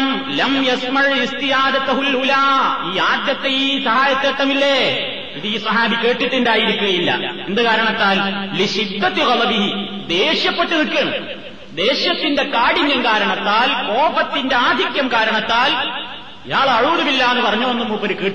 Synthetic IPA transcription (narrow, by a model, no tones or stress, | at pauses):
m | lɐmjɐsmɐɻist̪ijaːd̪ɐt̪ːɐɦulhulaːiːaːd̪jɐt̪ːeiːsɐɦaːjɐt̪ːeʈ̪ːɐmilːe | iðɨiːsɐɦaːbike̞ːʈːiʈːundaːjiɾukʲːuɣɐjilːɐ̰end̪ɨkaːɾɐɳɐt̪ːaːlliɕit̪ːɐt̪iɣɐlɐbii | d̪e̞ːɕjɐpːeʈːɨniʈkːɐɳɐ | d̪e̞ːɕjɐt̪ːinde̞kaːɽiɲjɐmkaːɾɐɳɐt̪ːaːlko̞ːpɐt̪ːinde̞aːd̪ʱikʲjɐmkaːɾɐɳɐt̪ːaːl | ijaːɭɐɻuːðɐmilːaːenːɨpɐrɐɲːuonːumːupːɐɾukiːʈː